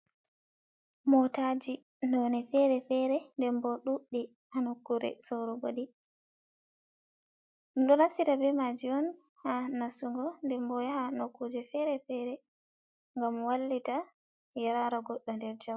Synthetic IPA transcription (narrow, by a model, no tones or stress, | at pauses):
mɔtad͡ʒi | nɔnɛfɛɾɛfɛɾɛndɛmbɔɗuɗːi | hanokːuɾɛ̰sɔɾɔboɗi | ɗɔnafsitabɛmad͡ʒiɔn | hanasuŋɡɔndɛmbɔjhanokːud͡ʒɛfɛɾɛfɛɾɛ | ŋɡamwalːita | jaɾaɾaɡɔɗːɔndɛɾd͡ʒaw